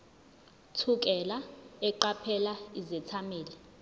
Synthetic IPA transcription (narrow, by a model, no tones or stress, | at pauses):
tʰuk̬ʼɛlaɛǃapʰɛlaizɛt͡sʰameːlɛ